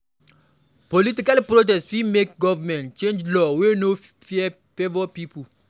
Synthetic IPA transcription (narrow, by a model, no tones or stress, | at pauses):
politikalpɾot̬ɛsfimek̚ɡɔvamɛ̃ntt͡ʃẽnd͡ʒlɔweno | fiɛ | fevɔpipu